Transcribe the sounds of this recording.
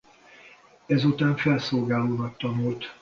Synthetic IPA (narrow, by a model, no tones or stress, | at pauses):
ɛzut̪aːɱfɛlsoːlɡaːloːnɒkt̪ɒnult̪